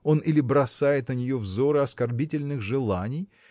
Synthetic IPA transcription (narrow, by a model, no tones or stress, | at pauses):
o̞nilʲɪbɾɐsajɪt̪nənʲɪjo̞vzo̞ɾɨɐskɐrbʲitʲɪlʲnɨxʐɨlˠanʲɪj